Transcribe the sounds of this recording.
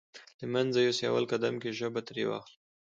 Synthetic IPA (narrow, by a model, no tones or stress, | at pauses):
l̥əmanzajosja̰wa̰lkad̪amkeʒabat̪ɾewɑ̰xl